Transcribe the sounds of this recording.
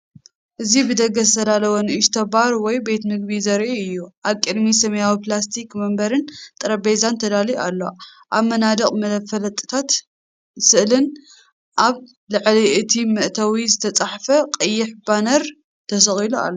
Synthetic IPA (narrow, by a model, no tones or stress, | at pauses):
ʔɨzibɨd̪ɐɡɐsɨt̪ʰɐd̪alɐwɐnʔiʃt̪ʰɐbaɾwɔjbet̪mɨɡ̚bizɐɾʔuɨjːuʔaβkʼɨd̪misɐmɐjawiplas̬t̪ʰikmɐmbɐɾɨnt̪ʼɨɾɐbejzant̪ʰɐd̪alialːo̞̰ʔaβmɐnad̪ɐkʼmɐfɐlɐt̪ʼːɨ̥t̪ʰat̪ | sɨʔlɨn | ʔaβ | lɨʕliʔɨt̪ʰimɨʔt̪ʰɐwizɨt̪ʰɐt͡sʼaħfɐqʼɨjːɪħbanɐɾ | t̪ʰɐs̬ɐχʼilua̰lːo